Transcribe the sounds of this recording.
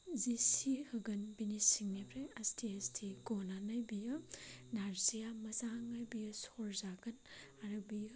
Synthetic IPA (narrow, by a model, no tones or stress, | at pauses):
zisihɯɡɐnbinisiŋnebɾejastʰiastʰiɡɔnanajbijɯnaɾzijamɐzaŋajbijɯsɔɾzaɡɐnaɾɯbij